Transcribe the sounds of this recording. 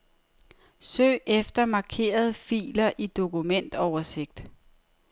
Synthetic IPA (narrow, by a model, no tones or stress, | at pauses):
sø̰ːefd̥ɐmɑ̈kʰe̝̰ːɐð̞ˠfḭːlɐʔid̥o̝kumen̰d̥ɒʊɐse̝ɡ̥̚d̥